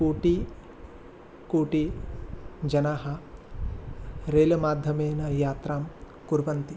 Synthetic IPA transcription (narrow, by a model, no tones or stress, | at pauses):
kuːʈi | kuːʈi | d͡ʒɐnaːɦɐ̆ | ɾeːlɐmaːd̪ʱjɐmeːnɐjaːt̪ɾaːm | kuɾʋɐnt̪i